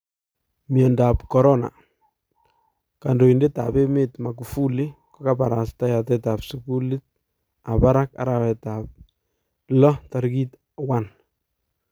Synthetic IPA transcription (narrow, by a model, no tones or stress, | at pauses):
miɔndapkɔɾɔna̰ | kandoindetapemetmakufulɪkokapaɾastajat̬ɛtapsukulɪt̚ | apaɾaka̰ɾawɛtap̚ | lɔtaɾkit | wan